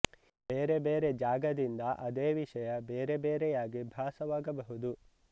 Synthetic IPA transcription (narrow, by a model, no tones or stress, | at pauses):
beːɾe̞beːɾe̞d͡ʒaːɡɐd̪ind̪ɐʔɐd̪eːʋiʂɐjɐbeːɾe̞beːɾɛjaːɡibʱaːsɐʋaːɡɐbɐɦud̪u